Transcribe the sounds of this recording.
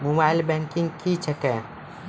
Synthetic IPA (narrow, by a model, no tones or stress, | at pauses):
mobailbɛŋkĩŋɡkit͡ʃʰɛkɛ